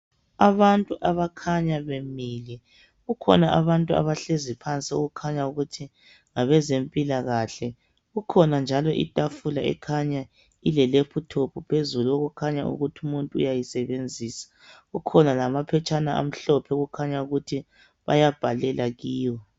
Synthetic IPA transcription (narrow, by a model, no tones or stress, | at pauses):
aβantʼuʔaβakʰaɲaβemilɛ | ɣukʰɔ̰naʔaβantʼua̰βaɬezipʰant͡sʼio̰ɣukʰaɲauɣutʰi | ŋaβɛzempʼilaɣaɬɛ | ɣukʰɔnand͡ʒʱalɔʔḭtʼafulaɛ̰kʰaɲa | ilɛlepʰutʰopʰupʰezuluoɣukʰaɲaṵɣutʰumuntʼuṵjajisɛβend͡zʱiːsḁ | ɣukʰɔnalamapʰɛt͡ʃʼanaa̰m̩ɬɔpʰɛɣukʰaɲauɣutʰi | βa̰jab̥ʱalɛlaɣiːwɔ